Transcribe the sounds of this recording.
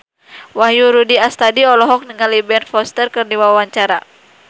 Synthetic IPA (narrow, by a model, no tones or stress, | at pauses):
wahjuɾudiast̪adiɔlɔɦɔk̚nəŋalibɛnfɔst̪ərkərdiwawaɲt͡ʃaɾa